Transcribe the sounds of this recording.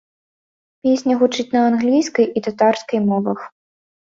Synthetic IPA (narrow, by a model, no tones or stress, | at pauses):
pʲesʲnʲɐɣut͡ʂɨt͡sʲnɐanɣlʲijskɐjʔit̪at̪arskɐjmɔvɐx